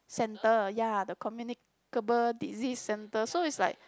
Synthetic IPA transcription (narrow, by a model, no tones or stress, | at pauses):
sɛ̃ntəjadəkʰɔmjunik | kəbəldizisːɛ̃ntəsoitsla̰ɪjk̚